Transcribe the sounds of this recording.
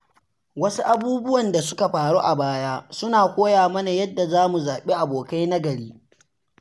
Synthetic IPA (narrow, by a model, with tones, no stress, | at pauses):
wɐ˦su˦ʔa˨buː˦bʊ˦wɐ˨nda˨sʊ˦ka˨ɸaː˨ɽoː˦ʔa˨baː˦jaː˦sʊ˦naː˨kʷoː˦jaː˨mɐ˦na˨jɐ˦dːa˨zaː˦mu˨zaː˨ɓe˦ʔa˨boː˨ka˦jna˦ɡɐ˨ɽiː˦